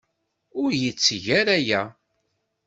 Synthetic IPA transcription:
ʊɾjət͡sːʝæɾæjæ

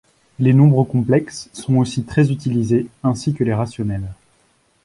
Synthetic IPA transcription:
lenɔ̃bʁəkɔ̃plɛksːɔ̃osit̪χɛzyt̪ilizeɛ̃sikəleʁasjɔnɛl

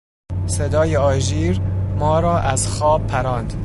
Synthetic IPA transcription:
sed̪ɒːjeɒːʒiːɾmɒːɾɒːʔæzxɒːb̚pʰːæɾɒːnd̪̥

